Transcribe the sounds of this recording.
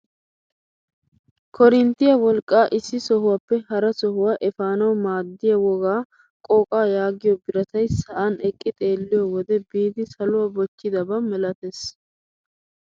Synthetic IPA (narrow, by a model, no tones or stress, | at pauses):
kʰɔɾɪnt̪ɪjɐwɔlkʼːaːʔɪsːɪsɔɦʊwaːpːɛhɐɾɐsɔhʊwaːʔɛfaːnɐwmaːd̪ːɪjɐwɔɡaː | kʼoːkʼaːjaːɡɪjɔbɪɾɐt̪ɐjsɐʔanɛkʼːɪt̪ʼe̞ːlːɪjɔwɔd̪ɛbiːd̪ɪsɐlʊwabɔt͡ʃːɪd̪ɐbɐmɛlɐt̪es